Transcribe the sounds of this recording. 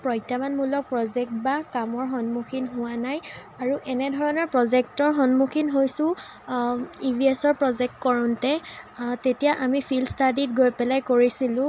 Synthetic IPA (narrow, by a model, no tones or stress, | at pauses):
pɹɔjtamanmulɔk̚pɹɔzɛk̚tbakamɔɹxɔnmukʰinɦʊwanaj | aɹuʔɛnɛdʱɔɹɔnɔɹpɹɔzɛk̚tɔɹɦɔnmukʰinɦojsʊ̃ | ibʱiɛsɔɹpɹɔzɛk̚tkɔɹɔntɛtetijaʔamipʰilstadit̚ɡojpɛlajkoɹisilʊ̃